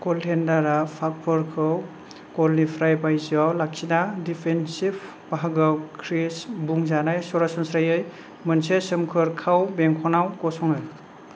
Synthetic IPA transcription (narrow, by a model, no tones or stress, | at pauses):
kɔltʰendaɾapʰak̚pʰɔɾkʰɯw | kɔlnipʰɾajbajziawlak̚sidadipʰensib | b̥aɦaɡɯwkʰɾesbuŋzanajsɔɾasɔnsɾajɯj | mɯnsesɯmkʰɯɾkʰawbeŋkʰɔnawkɔsɔŋɯj